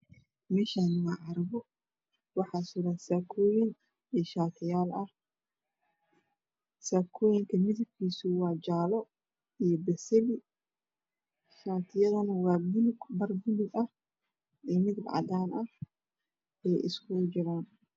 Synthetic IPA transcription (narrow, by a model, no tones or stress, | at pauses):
mɛːʃaːnwaːʕɑɾɐβɔ | wɑħɑːsʊɾɐnsaːkʰɔːjɪŋ | ɛʃaːt̪ʰɪjaːlɐh | saːkʰɔːjɪŋkʰɐmɪðɐb̚kʰiːsʊwɑːd͡ʒaːlɔ | ijɔbɐsɛlɪ | ʃaːt̪ʰɪjɐðɐnɐwɑːɡʊnbɐrɡʊnʊɡɐh | ɛːmɪd̪b̰ʕ̰d̪aːnɐh | ɛːjɪ̰skʰʊd͡ʒɐɾaːn